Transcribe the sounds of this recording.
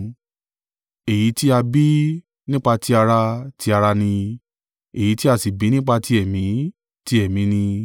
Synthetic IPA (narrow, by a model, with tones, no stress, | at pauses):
e˨ji˨˦ti˦a˧bi˦ | nĩ˦k͡pa˧ti˦a˧ɾa˧ti˧˦a˧ɾa˧nĩ˧ | e˨ji˨˦ti˦a˧si˨bi˨˦nĩ˦k͡pa˧ti˦ɛ˦˨mĩ˨˦ | ti˦ɛ˦˨mĩ˨˦nĩ˧